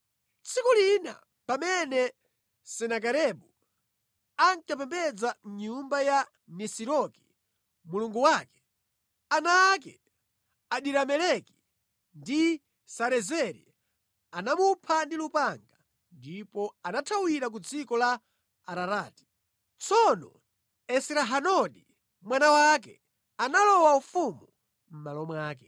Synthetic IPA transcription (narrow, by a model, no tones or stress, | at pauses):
t͡sʰikulina̰ | pamɛnɛ | sɛnak̬aɾɛɓu | aŋkapɛmbɛd͡zam̩ɲumbaja | nɛsiɾɔki̥ | muluŋɡuwaːkɛ̥ | anak̬ɛ̰ | aɗiɾamɛlɛki̥ | ndi | saɾɛzɛɾḭ | anamupʰandilupaŋɡa | ndipɔanatʰawiɾak̬ud͡zikɔlaː | ɾaɾaːti̥ | t͡sɔnɔ̰ | ɛsiɾaɦanɔɗi | mwanawak̬ɛ̰ | analɔwaufumu | m̩malɔmwaːk̬ɛ